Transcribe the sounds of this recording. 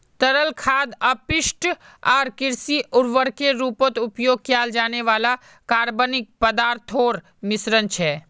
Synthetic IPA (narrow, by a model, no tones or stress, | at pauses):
t̪ɐɾəlkʰaːd̪əpɪʃʈ | aːɾkɪɾsiʔʊɽʋəɽkeɾuːpot̪ʊpjoːɡ̚kjaːld͡ʒaːneʋaːla | kaːɾbənɪk̚pəd̪aːɾt̪ʰoːɾ | mɪsɾənt͡ʃʰɛː